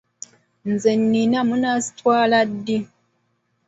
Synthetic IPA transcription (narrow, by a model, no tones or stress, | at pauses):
nzenːinamunasi̥tʰwaːladːi